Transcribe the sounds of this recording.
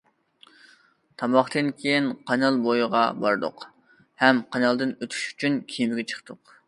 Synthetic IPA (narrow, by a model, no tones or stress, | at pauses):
t̪ʰɑmɑχt̪ɨnkʲʰejinqʰɑnɑlˠbojʁɑbɑ̰ɾd̪ʊ̰q | hɛmqʰɑnɑlˠd̪ɨnøt̪ʰy̥ʃy̥t͡ʃʰynkʲʰimɪɡʲɛt͡ʃʰə̥χt̪ʊq